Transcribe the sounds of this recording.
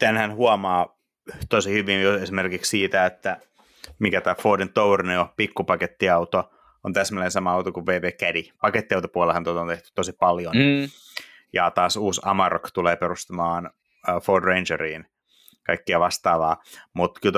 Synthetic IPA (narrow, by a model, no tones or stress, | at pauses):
t̪ænhænhuɑmɑː | t̪osihyʋinjuesimerkikssiːt̪æet̪ːæ | mikæt̪æːfoːdint̪owrniopikːupɑket̪ːiɑwt̪o | ont̪æsmælensɑmɑɑwt̪okuʋʋeːʋeːkædipɑket̪ːiɑwt̪opuɑlehɑnt̪ot̪ont̪eht̪y̥t̪ːosipɑljon | jɑt̪ɑːsuːsɑ̰mɑrokt̪uleːperust̪ɑmɑːnː | foːdrend͡ʒeriːn | kɑikːiɑʋɑst̪ɑːʋɑːmut̪kyl